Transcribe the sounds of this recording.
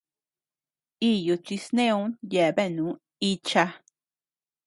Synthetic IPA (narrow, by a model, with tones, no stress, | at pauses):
i˦ju˧t͡ʃi˧snẽ˦ũ˧˦nje˨βe˦˨nũ˨˦ | i˧t͡ʃa˧